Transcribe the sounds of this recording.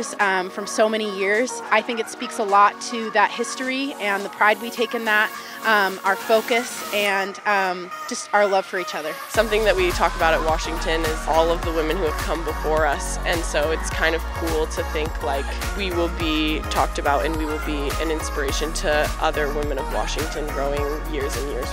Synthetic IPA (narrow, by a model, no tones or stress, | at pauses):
z̥ʌ̃mfɹʌ̃msoʊmɛɾ̃ijɪɹz̥aɪθɪ̃ŋkɨtspiksəlɔtʰɨðɨt̚hɪstɹiɨ̃nðəpʰɹ̥aɪd̚witʰeɪkɨ̃nðæt̚ | ʔʌ̃maə˞foʊkɨsɨ̃nʌ̃md͡ʒʌstə˞lʌv̥fə˞it͡ʃʌðə˞sʌ̃mθɪ̃ŋðɨʔ̚witʰɔk̚təbaʊɾɨt̚wɑʃɪ̃ŋtʰɨ̃nɪzɔlˠʌvðəwɪ̃mɨ̃nhuɨv̥kʰʌ̃mbəfɔɹʌsɨ̃nsoʊɨtskʰãɪ̃ndʌv̥kʰulˠtʰɨθɪ̃ŋkʰlaɪk | wiwɪlˠbitʰɔk̚tɨbaʊɾɨ̰̃nwiwɪlˠbiɨ̰̃nɪ̃nspə˞eɪʃɨ̃ntʰɨʔʌðə˞wɪ̃mɨ̃ñʌvwɑ̰ʃɪ̃ŋtʰɨ̃nɡɹoʊɪ̃ŋ | jɪɹzɨ̃njɪ̰ɹz̥